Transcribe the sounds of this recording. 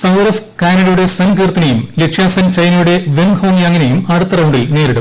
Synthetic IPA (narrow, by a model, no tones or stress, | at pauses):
sɐwɾɐfkaːnɐɽɐjuɽe̞sɐnɡeːrt̪ːɐnɐjumlekʂʰjaːsɐnt͡ɕɐjnɐjuɽe̞ʋeŋhoːŋjɐŋːɐnejumɐɽut̪ːɐrɐwuɳɖilne̞ːɾeɽu